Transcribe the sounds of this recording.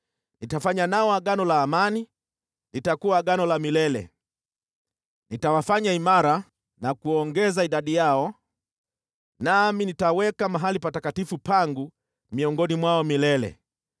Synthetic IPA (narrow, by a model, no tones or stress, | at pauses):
nitafaɲanaɔaɠanɔlaːmani | nitakuwaɠanɔlamilɛlɛ̰ | nitawafaɲaimaɾa | nakuɔŋɡɛzaiɗaɗijaɔ | naminitawɛkamaɦalipatakatifupaŋɡu | miɔŋɡɔnimwaɔmilɛlɛ̰